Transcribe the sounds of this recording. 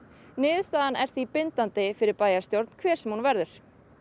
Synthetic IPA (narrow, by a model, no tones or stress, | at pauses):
nɪːðʏst̪aːðanʔɛɾ̥θipɪnt̪ant̪ɪfɪɾɪɾpaːjaɾ̥st̪jowɾt̪n̥kʰvɛːɾ̥sɛmhunvɛɾðʏɾ̥